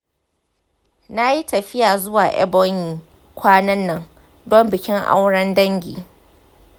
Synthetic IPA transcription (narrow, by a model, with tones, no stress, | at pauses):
na˦ji˦tɐ˨ɸɪ˦jaː˨zʊ˦waː˨ʔɛ̰˦bɔ˦ŋjiː˨ | kʷaː˦nɐ˦nːɐ˦ŋ | dɔ˦mbɪ˨kʲɪ˦ŋʔa̰˦wɽɐ˦ndɐ˦ŋɡʲḭː˨